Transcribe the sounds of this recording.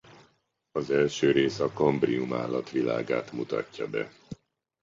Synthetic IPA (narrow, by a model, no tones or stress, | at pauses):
ɒzɛlʃøːɾeːsɒko̞mbriuma̰ːlːɒt̪ʋila̰ːɡaːt̪mut̪ɒ̰cːɒbɛ